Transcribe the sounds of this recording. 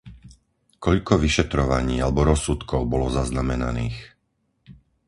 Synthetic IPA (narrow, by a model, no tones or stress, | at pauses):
kɔʎkɔʋiʃɛt̪ɾɔʋaɲiːalɛbɔɾɔsːut̪kɔʊbɔlɔzaznamɛna̰nḭːx